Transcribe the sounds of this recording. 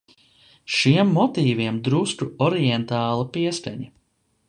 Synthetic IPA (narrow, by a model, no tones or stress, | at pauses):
ʃiɛmːɔt̪iːviɛmd̪ɾust̪uɔɾiɛnt̪aːlˠapiɛska̰ɲi